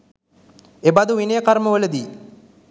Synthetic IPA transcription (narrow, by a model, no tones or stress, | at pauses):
ebad̪uʋinejəkaɾməʋələd̪iː